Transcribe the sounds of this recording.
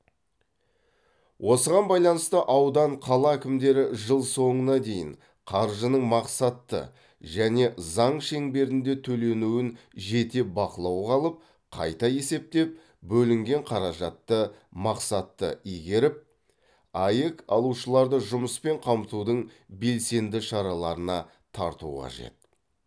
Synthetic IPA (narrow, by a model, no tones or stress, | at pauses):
wʔo̞səʁɑnbɑjlˠɑnəst̪əʔɑwd̪ɑɴqʰɑlˠɑækʲɪmd̪e̞ɾɪʒəlˠso̞ɴənɑd̪e̞jɪ̰ɴ | qʰɑɾʒənəɴmɑqsɑt̪ːə̰ | ʒæne̞zɑɴʃe̞ŋbe̞ɾɪnd̪e̞t̪ʰɵle̞nuwɪnʒe̞t̪e̞bɑqəlˠɑwʁɑlˠəp̚ | qʰɑ̰jt̪ɑje̞se̞p̚t̪e̞p̚ | bɵlɪŋɡʲe̞ɴqʰɑɾɑʒɑt̪ːəmɑqsɑt̪ːə̰ijɡʲe̞ɾɪp̚ | ɑjəkɑ̰lˠuʃəlˠɑɾd̪əʒʊməspe̞ɴqʰɑmt̪ud̪əɴbe̞lse̞nd̪ɪʃɑɾɑlˠɑɾənɑ | t̪ʰɑ̰ɾt̪ṵʁɑ̰ʒe̞̰t̪̚